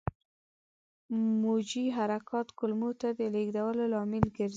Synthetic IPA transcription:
mod͡ʒiɦaɾakʰɑt̪kʊlmot̪ad̪əleɡd̪awəlolɑmɪlɡəɾz

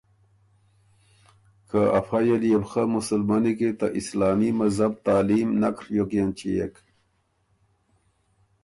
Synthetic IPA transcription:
kʰaɐ̰fajelijebxamusəlmaniket̪aʔislaːmimɐzab̚t̪aːliːmnɐkɾjokjent͡ɕijḛk

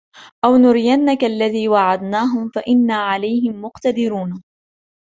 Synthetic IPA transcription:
ʔawnʊɾɪjanːakaʔlːaðiːwaʕad̪naːɦʊmfaʔɪnːaːʕalajɦɪmːʊqt̪ad̪ɪɾuːn

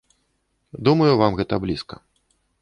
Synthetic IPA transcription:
d̪umɐjuvamɣɛt̪ɐblʲiskɐ̰

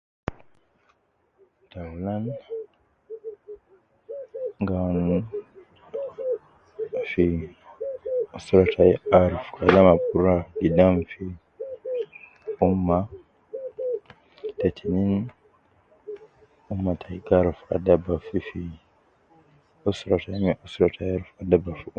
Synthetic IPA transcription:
dawlan | ŋɡan | fi | osuɾatʰaiaɾfu̥kʰadamabuɾaɡidaɱfi | umːa | t̪ɛt̪ʰinin | umːat̪ʰaiɡaɾfa̰dabafifi | ɔsɾatamɛʔusɾatʰajaɾfadabaf

